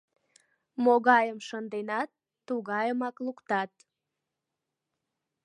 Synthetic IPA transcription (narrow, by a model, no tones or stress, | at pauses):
moɣɑjəmʃənd̪enɑt̪ːuɣɑjəmɑklukt̪ɑt̪̚